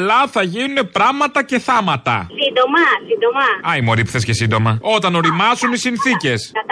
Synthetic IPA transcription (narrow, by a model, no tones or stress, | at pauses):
lɐθɐʝinune̞pɾɐɣmɐt̪ɐce̞θɐmɐt̪ɐ̰sind̪omɐsind̪omɐɐimoɾipθe̞sce̞sind̪o̞mɐo̞t̪ɐno̞ɾimɐzunisinθice̞sɐ